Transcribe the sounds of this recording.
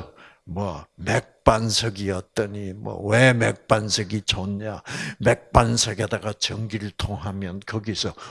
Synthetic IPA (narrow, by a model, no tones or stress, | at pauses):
mwʌmek̚p͈ansʰʌɡiʌt͈ʌɲimwʌ̰wemek̚p͈ansʰʌɡit͡ɕoɲamek̚p͈ansʰʌɡedaɡat͡ɕʌŋɡiɾɯɭtʰoŋɦamjʌnkʌɡisʰʌ